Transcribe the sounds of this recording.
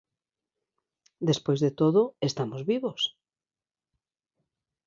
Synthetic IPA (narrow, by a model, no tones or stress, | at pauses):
d̪espojzðet̪oðʊest̪amozβiβos